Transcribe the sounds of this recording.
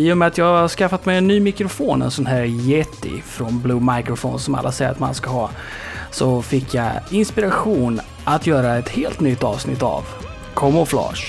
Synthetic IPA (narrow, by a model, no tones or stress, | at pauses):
iːʊmɛat̪jɑːhaʂkafːat̪mɛjɛnːyːmɪkɾʊfoːnɛ̰nsɔnɦæːɾjɛt̪ːɪ̰fɾɔnbluːmajkɾʊfɔːnsɔma̰lːasɛjəɾat̪ma̰nskaɦɑː | sɔfɪkʰːjaɪnspɪɾaɧuːn | ʔat̪jœːɾaɛt̪heːlt̪nʏt̪ːɑ̰ːvsnɪ̰t̪ːa̰v | kʰɔmːɔflɑ̰ːʂ